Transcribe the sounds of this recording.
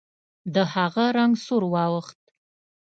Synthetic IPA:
dɨħaːʁɐɾɐŋsuɾwɑːwəχtʼʰ

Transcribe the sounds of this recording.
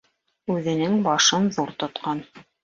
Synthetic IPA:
ʉðɘ̆nɘŋbɑʃɤnðuɾt̪ŏt̪qɑn

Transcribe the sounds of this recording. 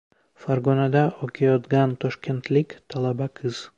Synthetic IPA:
faɾɡɒnad̪aʔɒkʲʰajɒd̪ɡʲant̪ʰɒʃkʲʰe̞nt̪lɪkʲt̪ʰalˠabakʰɨz̥

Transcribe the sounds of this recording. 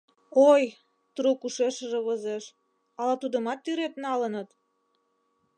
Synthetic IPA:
oj | t̪ɾukuʃeʃəʒĕβəzeʃ | ɑlɑt̪ud̪əmɑt̪ːyɾet̪nɑlənət̪

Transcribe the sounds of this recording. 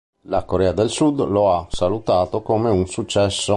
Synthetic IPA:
lakoɾɛːad̪elsud̪loasalut̪aːt̪okomeunsut͡ʃːɛsːo

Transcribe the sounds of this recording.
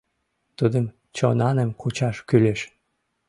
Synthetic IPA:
t̪ud̪əm | t͡ɕonɑnəmkut͡ɕɑʃkyleʃ

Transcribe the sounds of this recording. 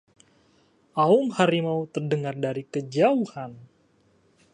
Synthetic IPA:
ʔaʊŋhaɾimaut̪ərdəŋardaɾikəd͡ʒauhan

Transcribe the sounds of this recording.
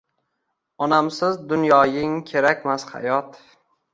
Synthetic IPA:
ɒnamsɪzd̪ʊnjɒjɪŋkʲʰe̞ɾakʲmasha̰jɒt̪

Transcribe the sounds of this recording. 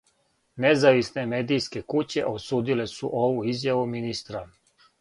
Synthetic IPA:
nezaʋisnemeːd̪ijske̞kut͡ɕe̞ʔosuːd̪ile̞sṵʔoʋuizjaʋuminist̪ɾa

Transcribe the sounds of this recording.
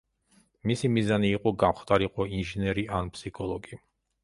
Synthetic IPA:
misimizaniːqʼɔɡamχt̪ʼaɾiqʼɔinʒinɛɾiʔanpʰsikʰɔlˠɔɡi

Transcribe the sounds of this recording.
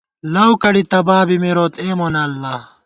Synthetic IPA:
lɐwkɐɽit̪ɐbaːbimiɾoːt̪eːmoːnɐːlːa

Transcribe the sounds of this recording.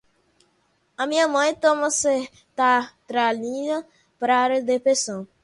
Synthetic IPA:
amĩɲɐmɐ̃j̃t̪ɔmɐse | t̪at̪ɾalĩdɐ | pɾaɾd̪epɾesõw

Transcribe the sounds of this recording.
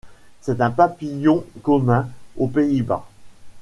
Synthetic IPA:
sɛt̪ɛ̃papijɔ̃kɔmɛ̃opeiba̰

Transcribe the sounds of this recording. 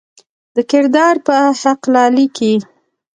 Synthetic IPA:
d̪̥əkɪɾd̪ɑɾpəhaqlɑliki

